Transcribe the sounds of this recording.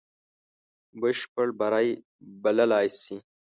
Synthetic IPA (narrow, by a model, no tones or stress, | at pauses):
bəʃpəɽbɐɾaj | bɐlɐlaːjsi